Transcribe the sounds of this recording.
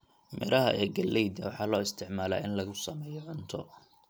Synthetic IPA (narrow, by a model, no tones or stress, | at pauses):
mɪ̰ɾʔɐɦɐ̰ʔɛːɡɐlːɛjd̪ɐwɑħɑːlɔːɪst̪ʰɪʕmaːla̰ːɪnlɐɣʊsɐmɛːjɔʕʊnt̪ʰɔ